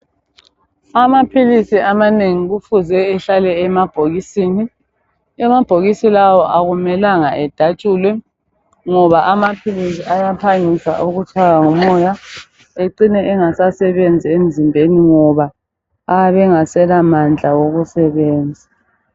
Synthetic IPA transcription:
amapʰilisiʔamaneŋiɣufuzɛːɬalɛːmab̥ʱoɣisiːni | ɛmab̥ʱoɣisilawɔʔaɣumɛlaŋaɛd̥ʱat͡ʃʼuːlɛ | ŋɔβaʔamapʰilisiajapʰaŋisa̰ʔuɣutʰaɣaŋɔmɔja | eǀinɛʔɛŋasasɛβend͡zʱiem̩zʱimbʱeniŋɔβaː | βɛŋasɛlamand͡ɮʱawoɣusɛβeːnd͡zʱi

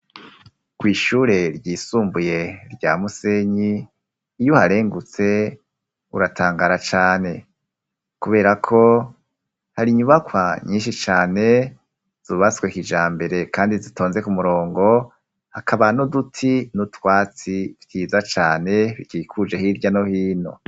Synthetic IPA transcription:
kwiːʃuːɾe̞ɾɟiːsuːmbuje̞ɾɟa̰ːmuse̞ɲiː | johaɾe̞ːŋɡut͡se̞ | uɾatʰaːŋɡaɾat͡ʃaːne̞ | kuβe̞ːɾakʰo̞ | haɾiɲuβakwaɲĩːnʃit͡ʃaːne̞ | z̥uβaskwekid͡ʒaːmbe̞ɾe̞kaːndizitʰo̞ːnze̞kumuɾo̞ːŋɡo̞ | hakʰaβanodutʰinutwaːt͡sivkiːzat͡ʃaːne̞βikikʰud͡ʒehiɾɟanohiːno̞̰

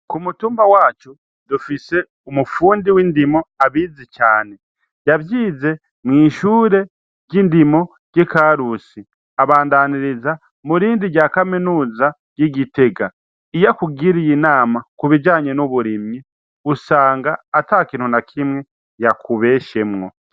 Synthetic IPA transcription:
kumutuːmbawaːt͡ʃu | dufise̞ | umufuːndiwindimo̞aβizit͡ʃaːne̞ | javjiːze̞ | mŋiːʃuːɾe̞ | ɟindimo̞ | ɟ̥ikaɾusi | aβaːndaniɾiza | muɾiːndiɾɟaːkaminuːza | ɟ̥iɟite̞ɡa | ijakuɡiɾijinaːmakuβid͡ʒaːɲenuβuɾimji | usaːŋɡaːtakiːn̥hunakʰimŋe̞ | jakuβe̞ːʃe̞mŋo̞̰

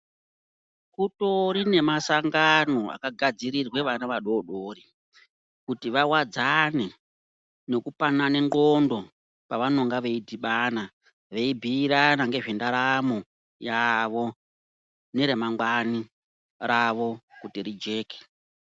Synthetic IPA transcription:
kuto̞ɾine̞masaŋɡano̞a̰kaɡʱad͡ziɾirwe̞ʋanaʋaɗo̞ɗoːri | kutiʋawad͡zane̞ | ne̞kupanane̞ŋɡo̞ndo̞ | paʋanoŋɡaʋe̞idʱiɓana | ʋe̞ibʱiːɾanaŋɡe̞ʐe̞ndaɾamo | jaʋo̞ | ne̞ɾemaŋɡwani | raʋo̞kutiɾid͡ʒe̞ːke̥

